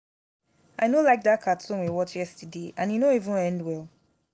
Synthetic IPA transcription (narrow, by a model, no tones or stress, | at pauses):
ʔaɪnolaɪk̚dakʰatʰɔ̃nwewɔt͡ʃjɛstʰudeʔãnjunoivə̃nɛ̃ndwɛlˠ